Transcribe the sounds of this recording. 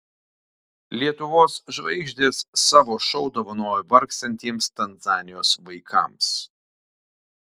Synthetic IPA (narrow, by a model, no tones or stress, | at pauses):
lʲiɛt̪ʊʋoːsʒʋɐɪɡʒʲd̪ʲeːsːɑːʋoːʃɔʊd̪oʋɐnoːjʊbɐɾksʲt̪ɐnʲt̪ʲiɛmst̪ɐnzɑːnʲɪjoːsʋɐɪkʰɐ̰ˑms